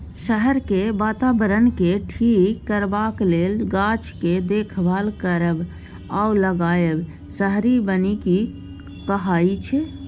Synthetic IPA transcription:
səɦəɾkebaːt̪abəɾənkeʈʰiːkːəɾbaːkleːlɡaːt͡ʃked̪eːkʰbʱalkəɾəb | auləɡaːjəb | səɦɾibəniki | kəɦaːit͡ʃʰɛ

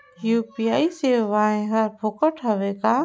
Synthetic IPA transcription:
juːpiaːiseːʋaːẽɦəɾpʰokəʈʰɦəʋekaː

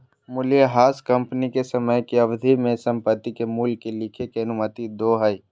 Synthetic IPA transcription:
mʊljəɦaːskɐ̃mpnikesɐməjkiɐbd̪ʱimẽsɐ̃mpət̪ːikemuːlkilɪkʰekeɐnʊmət̪id̪oːɦəi

